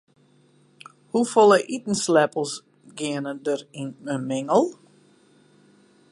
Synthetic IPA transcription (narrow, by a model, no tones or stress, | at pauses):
hufɔlˠəʔitn̩slɛpəlˠs | ɡɪənədərinəmɪŋəlˠ